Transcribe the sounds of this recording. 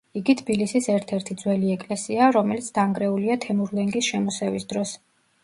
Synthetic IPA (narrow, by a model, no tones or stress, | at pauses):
iɡit̪ʰbilisisɛɾt̪ʰɛɾt̪ʰid̪zwɛliɛkʼlɛsiaɾɔmɛlit̪sʰd̪̥aŋɡɾɛuliat̪ʰɛmuɾlɛŋɡisʃɛmɔsɛvisd̪ɾɔs